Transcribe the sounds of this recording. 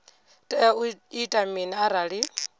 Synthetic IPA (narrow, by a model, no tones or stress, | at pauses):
tʼɛuitʼaminaaɾaɺi